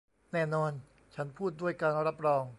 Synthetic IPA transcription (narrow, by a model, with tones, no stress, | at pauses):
nɛː˥˩nɔː˧n | t͡ɕʰa˦˥npʰuː˥˩t̪̚du˥˩əjkaː˧nɾa˦˥p̚ɾɔː˧ŋ